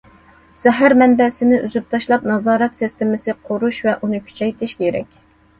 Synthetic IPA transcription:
z̥ɛɦæɾmɛnbɛsɪnɪʔyzyp̚t̪ʰɑʃlˠɑpnɑzɑːɾɛt̪sist̪ɪmɪsɪqʰoɾuʃvɛʔunɨkʲʰy̥t͡ʃʰɛjt̪ʰɪʃkʲʰeɾɛ̰kʲ

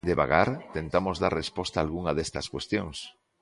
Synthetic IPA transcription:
d̪eβa̰ɣaɾt̪ent̪amozðarrespɔst̪aːlɣuŋaðest̪ɐskwest̪joŋs

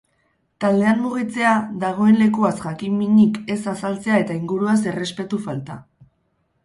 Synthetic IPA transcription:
t̪ald̪e̞anmuɣ̞it͡se̞aðaɣ̞o̞enle̞kuasʝakimmiɲike̞sasalt͡se̞ae̞t̪aiŋɡuɾuas̬e̞re̞spe̞t̪ufalt̪a

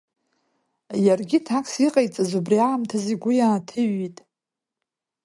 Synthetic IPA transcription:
jarɡʲitʰakʰʼsiqʼajt͡sʼazubriamtʰaziɡʷʊjaːtʰɨɥitʼ

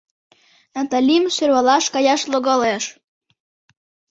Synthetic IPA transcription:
nɑt̪ɑlʲimʃørβɑlɑʃkɑjɑʃloɣɑleʃ

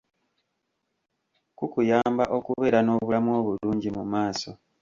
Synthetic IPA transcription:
kukujaːmbaʔo̞kuβe̞ːɾano̞ːβulamuo̞ːβuluːɲɟimumaːso̞

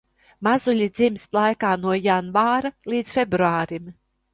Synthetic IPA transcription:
mazulʲid̪zimst̪lˠajkaːnuɔjanvaːɾalˠiːt̪sfʲebɾuaːɾim

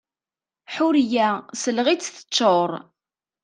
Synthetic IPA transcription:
ħʊɾjæsəlʁit͡sːθə̥t͡ʃːoɾˤ

